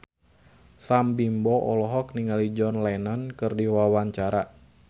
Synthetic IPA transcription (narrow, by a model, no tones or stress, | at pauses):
sambimbɔʔɔlɔɦɔkniŋalid͡ʒɔnlanɔnkɨrdiwawaɲt͡ʃaɾa